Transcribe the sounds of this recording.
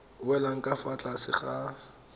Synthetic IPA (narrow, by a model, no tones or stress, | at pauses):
wɛlaŋ̩kʼafat͡ɬʼasɪ̰χa